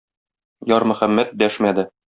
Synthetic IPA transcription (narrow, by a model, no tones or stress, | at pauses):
jɒɾmɘ̆χæmːæt̪̚d̪æʃmæd̪ɘ